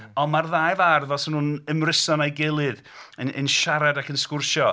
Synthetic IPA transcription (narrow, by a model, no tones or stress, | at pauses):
ɔnmarðajvarðɔsənuːnəmrɪsɔnajɡɪlˠɨð | ənʔə̰nʃaɾadakʰənskʊrʃɔ